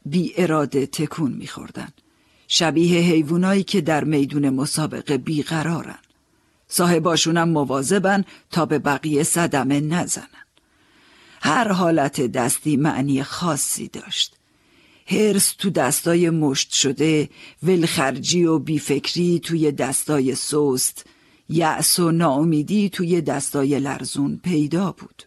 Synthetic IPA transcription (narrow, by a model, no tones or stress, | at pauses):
biːʔe̞ɾɒːd̪e̞t̪ʰe̞kʰuːnmḭːxo̰ɾd̪æ̰nd̪̥ | ʃæbiːɦe̞ɦe̞jvuːnɒːiːcʰe̞d̪æɾme̞jd̪uːne̞mosɒːbe̞̰ɣe̞biːɣæɾɒːɾæ̰nd̪̥ | sɒːhe̞bɒːʃuːnæmːovɒːze̞bænt̪ʰɒːbe̞bæɣiːje̞sæd̪æme̞næzæ̰næn̥ | hæɾɦɒːlæt̪ʰe̞d̪æst̪iːmæ̰ʔniːjexɒːsːḭːd̪̥ɒ̰ːʃt̪ | heɾst̪ʰuːd̪æst̪ɒːje̞moʃt̪ʃod̪e̞velxæɾd͡ʒiːobiːfe̞kʰɾiːt̪ʰuːje̞d̪æst̪ɒːje̞sost̪ | jæʔsonɒːomiːd̪iːt̪ʰuːje̞d̪æst̪ɒːje̞læ̰ɾzuːnpʰe̞jd̪ɒːb̥uːd̪̥